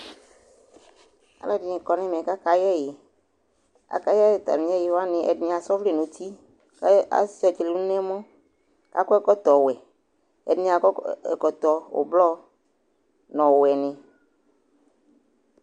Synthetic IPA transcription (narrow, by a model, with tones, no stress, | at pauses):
a̰˨lɛ˦dɪ˨nɪ̃˨kɔ˨nɛ̃˦m˨ɛ̃˨ka˦ka˨jɛ˦˨jɪ˨ | a̰˨ka˦jɛ˦jt̪a̰˨mĩ˨˦ɛ˦jɪ˨˦wa˦nɪ̃˨ʔɛ̰˨dnɪ̃˨˦a˨sɔ˦vle˦˨nũ˨t̪ʰi˦ | a̰˨sɛ˨t͡ʃle˨nũ˦nɛ̃˦mɔ̃˦ | ka̰˨kɔ˦ɛ˦kɔ˦t̪ɔ˨wɛ˨ | ɛ̰˨dnɪ̃˦a˨kɔ˦ɛ̰˨kɔ˨t̪ɔ˨o̰˨blɔ˦ | nɔ̃˨wɛ˨nɪ̃˨